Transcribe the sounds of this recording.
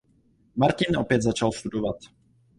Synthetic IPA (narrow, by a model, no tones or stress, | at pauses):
maɾcɪnʔopjɛd̪zat͡ʃalst̪udovat̪